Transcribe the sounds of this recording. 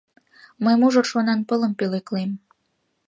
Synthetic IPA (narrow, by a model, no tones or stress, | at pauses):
məjmuʒorʃonɑnpələmpeleklem